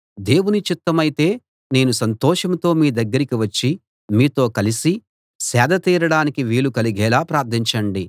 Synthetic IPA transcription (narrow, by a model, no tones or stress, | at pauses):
d̪e̞ːwunit͡ʃit̪ːɐmɐjit̪e̞ː | ne̞ːnusɐnt̪ɔːʂɐmt̪o̞ːmiːd̪ɐɡːɐɾikiʋɐt͡ʃːi | miːt̪o̞ːkɐlisi | sɛːd̪ʱɐt̪iːɾɐɽaːnikiʋiːlukɐliɡɛːlaːpɾaːɾt̪ʰiɲt͡ʃɐɳɖi